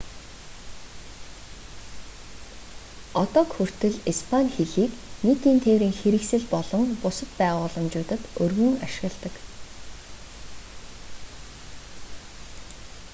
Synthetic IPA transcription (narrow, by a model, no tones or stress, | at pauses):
ɔt̪ɔːkxɵr̥t̪ɘ̆ɮispʰanʲxeɮiːkniːt̪iːnt̪ʰewɾiːŋxeɾɘ̆ksɘ̆ɮpɔɮɞ̆ŋpʊsə̆t̪pæːʁʊːɮə̆mt͡ɕʊːt̪ə̆t̪ɵrɣɵ̆ŋaʃɪ̆ɣə̆ɮt̪ə̆k